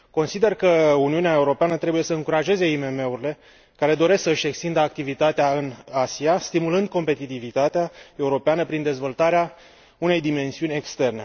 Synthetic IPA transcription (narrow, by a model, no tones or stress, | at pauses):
ko̞nsid̪e̞rkəuniuneae̞uɾo̞peanət̪ɾe̞buje̞səɨŋkuɾaʒe̞ze̞ime̞me̞uɾile̞ | kaɾe̞d̪o̞ɾe̞sksəɨʃʲe̞kst̪ind̪əak̚t̪ivit̪at̪eaɨnasiast̪imulɨnd̪̚ko̞mpe̞t̪it̪ivit̪at̪eae̞uɾo̞peanəpɾind̪e̞zvo̞lt̪aɾea | une̞jd̪ime̞nsiunʲe̞kst̪e̞rne̞̰